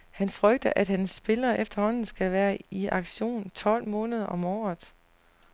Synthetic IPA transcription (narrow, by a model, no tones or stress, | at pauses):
hænfʁœɡ̥̚d̥ɐʔæd̥hænsːb̥e̝lɐːʔefd̥ɐhɒ̽n̰n̩sɡ̥ælʋæːɐiʔɑ̈ɡ̥ɕo̝̰ːnt͡sʰɒ̽l̰mɔ̽ːnəð̞ˠɐʔɒ̽mɒ̰ːð̩ˠ